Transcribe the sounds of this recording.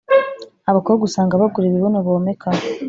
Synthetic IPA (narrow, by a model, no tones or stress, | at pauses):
aβakoβoɡusaːŋɡaβaɡuɾiβiβonoβoːmekʰa